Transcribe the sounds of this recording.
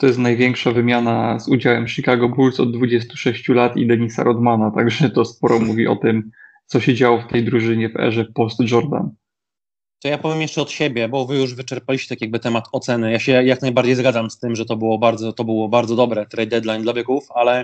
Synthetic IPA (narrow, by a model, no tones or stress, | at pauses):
t̪ɔjɛst̪najvʲjɛŋkʂavɘmʲjanazud͡ʑawɛmʂikaɡɔbulsɔ̰d̪̚ːvud͡ʑɛs̬t̪u̥ʂɛɕt͡ɕulat̪ḭd̪ɛɲisa̰ɾʔɔd̪manat̪aɡʐɛt̪ɔspɔɾɔmuvʲiʔɔt̪ɘmt̪sɔɕɛd͡ʑawɔft̪ɛjd̪ɾuʐɘɲɛvɛ̰ʐɛpɔst̪ʐɔɾd̪a̰n | t̪ɔjapɔvʲjemjɛʂt͡ʂɛɔt̪ɕɛbʲjɛbɔvɘjuʐvɘt͡ʂɛɾpalʲiɕt͡ɕɛt̪akʲijaɡ̚bɘt̪ɛmat̪ɔt̪sɛnɘjaɕɛjaknajbaɾd͡ʑejzɡad̪zamst̪ɘmʐɛt̪ɔbɘwɔbaɾd̪zɔt̪ɔbɘwɔbaɾd̪zɔd̪ɔbɾɛt̪ɾɛjd̪ɛd̪lajnd̪lavʲɛkufalɛ